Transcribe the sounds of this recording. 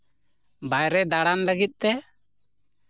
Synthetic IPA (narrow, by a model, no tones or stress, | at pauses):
bajɾɛd̪aɽanləɡit̪̚ˀt̪ɛ